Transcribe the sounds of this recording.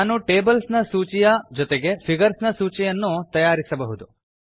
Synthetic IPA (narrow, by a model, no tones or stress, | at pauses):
aːnuʈe̞ːbɐlsnɐsuːt͡ʃijɐd͡ʒɔt̪eɡe̞pʰiɡɐɾsnɐsuːt͡ʃɛjɐnːut̪ɐjaːɾisɐbɐɦud̪u